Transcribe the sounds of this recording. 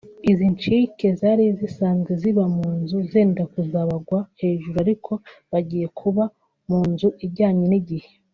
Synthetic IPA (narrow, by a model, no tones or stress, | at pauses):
izint͡ʃike̞zaɾizisaːnzɡeziβamuːnzuzeːndakuzaβaɡwahe̞ːʒuɾuaɾikʰo̞βaɟiːje̞kʰuβa | muːnzuʔiɟaːɲeniɟihe̞̥